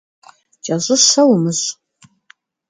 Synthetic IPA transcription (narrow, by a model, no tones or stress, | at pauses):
t͡ʃʼɐʑɨsɐwmɨz